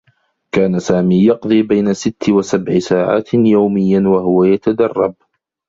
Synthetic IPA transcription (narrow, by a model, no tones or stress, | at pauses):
kaːnasaːmiːjɑqd̪ˤiːbajnasɪt̪ʰːɪwasabʕɪsaːʕa̰ːt̪jawmɪjːawaɦʊwajat̪ad̪ɑrˤːɑb̚